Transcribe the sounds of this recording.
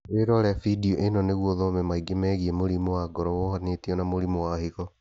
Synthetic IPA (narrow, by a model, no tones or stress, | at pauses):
eɾɔɾɛafidiɔʔenɔneɣwɔðɔmɛmaiɡemɛːɣiemoɾimowaɡɔɾɔwohanetiɔnamoɾimowahiɣɔ